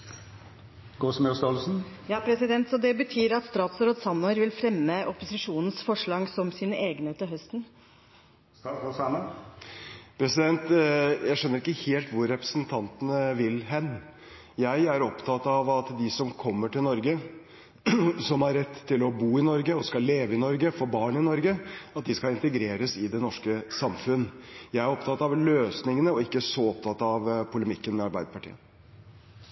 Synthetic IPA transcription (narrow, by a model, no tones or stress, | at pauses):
ɡ̥oːsmɛst̪olsn̩jɑːpʰɾɛsɪd̪ɛnt̪sɔd̪ɛbət̪ʰyːɾɑt̪st̪ɾɑːt̪sɾoːd̪sɑnːɔəɾʋɪlfɾɛmːəʔɔpʊsɪʂuːnn̩sfɔʂɭɑɡsɔmsiːnəʔeːɡəneːt̪əɦœst̪n̩ | sɑmə | pʰɾɛsɪd̪ɛnt̪jæɪʂœnːəɾɪkːəheːlt̪ʋʊɾːɛpɾəsnt̪ʰɑnt̪ənəʋɪlɦɛnː | jæɪæɾɔpt̪ʰɑt̪ɑʋɑt̪d̪ɪsɔmkʰɔmːəʈɪlnɔɾɡə | sɔmhɑɾːɛt̪ʰːɪlɔbuːɪnɔɾɡəɔskɑlːeːʋəɪnɔɾɡəfɔɾbɑːɳəɪnɔɾɡəɑt̪̚d̪ɪskɑɪnt̪əɡɾeːɾəsɪd̪ɛnɔʂkəsɑmfʉnːjæɪæɾɔpt̪ʰɑt̪ɑʋløːsnɪŋənəɔɪkːəsɔɔp̚t̪ʰɑt̪ːɑʋpʰʊləmɪkːənmɛɑɾbæɪd̪əpɑʈʰḭːə̰